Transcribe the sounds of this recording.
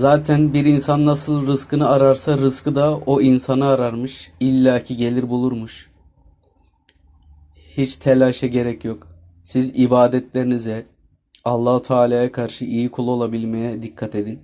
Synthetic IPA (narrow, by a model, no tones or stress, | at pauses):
zaːt̪ʰænbiɾinsanːasɯlˠɾɯskɯnɯaɾaɾsaɾɯskɯd̪ao̞insanɯaɾaɾmɯʃilʲːaːcʰiɟe̞lʲiɾbulˠuɾmuʃ | hit͡ʃt̪ʰelʲaʃɛɟe̞ɾɛcjo̞k | sizibaːd̪ɛt̪lʲe̞ɾinizɛ | alˠːahut̪ʰaːlʲaːjakʰaɾʃɯʔijikʰolˠuo̞lˠabilʲme̞jɛd̪ikʰːat̪ʰe̞d̪in